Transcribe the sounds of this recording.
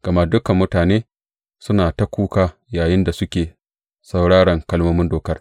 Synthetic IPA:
ɡ̥ɐ˨ma˦dʊ˦kɐ˨mːʊ˦taː˨neː˦ | sʊ˦naː˨ta˦kʷuː˦kaː˦ | jaː˨jɪ˦nda˨sʊ˦kʲeː˨ | sɐ˨wɽaː˦ɽɐ˨ŋkɐ˦˨lmo˦mɪ˦ndoː˨kɐ˦r

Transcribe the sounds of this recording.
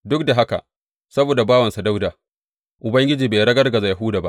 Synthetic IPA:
dʊ˦k̚da˨ɦa˦ka̰˨ | sɐ˦boː˨da˨baː˦wɐ˨nsa˨da˦wdaː˨ | ʔʊ˨bɐ˦ŋɡʲɪ˦d͡ʒiː˨beː˨ɾɐ˦ɡɐ˦rɡɐ˨za˨ja˨ɦuː˦daː˨ba̰˦ʔ

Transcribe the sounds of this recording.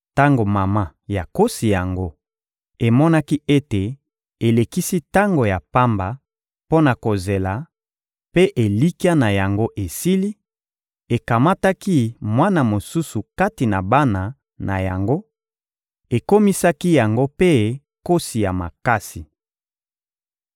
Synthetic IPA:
ta˦ŋɡo˨ma˨ma˦ja˨ko˦si˨ja˨ŋɡo˦ | e˨mɔ˦na˦ki˦ʔe˦te˨ | e˨le˨ki˦si˦ta˦ŋɡo˨ja˨pa˦mba˨ | po˦na˨ko˨ze˨la˨ | pe˦ʔe˨li˦ki˦a˦na˨ja˨ŋɡo˦ʔe˨si˦li˦ | e˨ka˨ma˦ta˦ki˦mwa˦na˨mo˨su˦su˨ka˦ti˨na˨ba˦na˨ | na̰˨ja̰˨ŋɡo˦ | e˨ko˦mi˦sa˦ki˦ja˨ŋɡo˦pe˦ | ko˦si˨ja˨ma̰˨ka˦si˨

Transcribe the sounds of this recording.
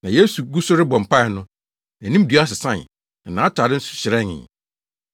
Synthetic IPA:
nã˨je˦su˨ɡu˦sʊ˦ɾɪ˦bɔ̃˨m̩˨pʰa˦ɪ˨nʊ̃˦˨ | nĩ˦m˦du˨˦a˦sɪ˨sã˦˨n | ɛ˨nãː˨˦tʰa˨dɪ˦n̩˦sʊ̥˨ɕɪ˨ɾɛ̃˦ŋɪ̰̃˨n

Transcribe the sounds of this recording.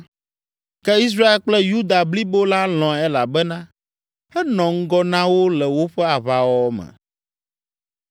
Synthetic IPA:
kɛ˦i˦s̬ɾa˦e˦lk͡plɛ˦ju˦d̪a˨bli˦bo˦la˦l̃ɔ̃˨ɛ˦la˨bɛ˦nã˦ | hɛ˦nɔ̃˨ŋ̩˦ɡɔ˦nã˦wo˦lɛ˨wo˦ɸɛ˦a˨βa˨wɔ˦mɛ̰̃˨

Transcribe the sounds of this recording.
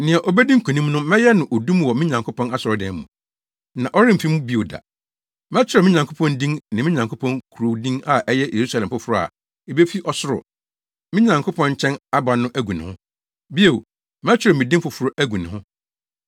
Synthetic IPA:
nɪ̃˨ɛ˨ʔɔ˨bɛ˦dĩ˦ŋ̩˦kʰũ˨nĩ˦mnʊ̃˦mɛ̃˦jɛ˦nʊ̃˨ʔo˨dũ˦m˦wɔ˨mĩ˦ɲã˨ŋkʰʊ˦pʰɔ̃˦na˦sʊ˨ɔ˨dɛ̃˨m˦mũ˨ | nã˨ʔɔ˦ɾɪ̃˦m̩˨fi˦mũ˦bi˦o˨da̰˨ | mɛ̃˦t͡ɕʰᶣɪ˦ɾɛ˨mɪ̃˦ɲã˨ŋkʰʊ˦pʰɔ̃˦ndĩ˦ŋnã˨mĩ˦ɲã˨ŋkʰʊ˦pʰɔ̃˦ŋkʰu˨ɾo˨wdĩ˦ŋa˨ʔɛ˦jɛ˦jʔe˨ɾu˦sa˨lɛ̃˨mfʊ˦fʊ˦ɾʊ˦˨a̰˨ | e˨be˦fi˦ʔɔ˦sʊ˦ɾʊ̰˨ | mĩ˦ɲã˨ŋkʰʊ˦pʰɔ̃˦ɲ˦t͡ɕʰɛ̃˦na˦ba˨nʊ̃˦ʔæ˦ɡu˨nɪ̰̃˨hʊ̰̃˦ | bi˦e˨w | mɛ˦t͡ɕʰᶣɪ˦ɾɛ˨mĩ˨dĩ˦mfʊ˨fʊ˦ɾʊ˦ʔæ˦ɡu˨nɪ̃˨hʊ̃˦

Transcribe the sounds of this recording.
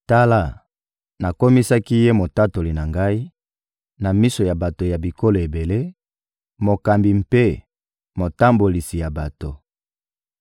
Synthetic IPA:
ta˦la˦˨ | na˨ko˦mi˦sa˦ki˦je˦mo˨ta˦to˨li˨na˨ŋɡa˦i˦ | na˨mi˦so˨ja˨ba˨to˨ja˨bi˨ko˦lo˨e˨be˨le˦ | mo˨ka˨mbi˨mpe˦ | mo˨ta˦mbo˨li˨si˨ja˨ba˨to˨

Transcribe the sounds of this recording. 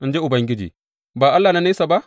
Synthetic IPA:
n˦d͡ʒe˦ʔu˨bɐ˨˦ŋɡʲi˦d͡ʒḭː˨ | baː˨ʔa˦lːa˨na˦ne˦sa˨ba˦

